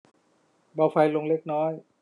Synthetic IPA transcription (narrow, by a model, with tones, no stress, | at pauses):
baː˧wfa˧jlo˧ŋle˦˥k̚nɔː˦˥j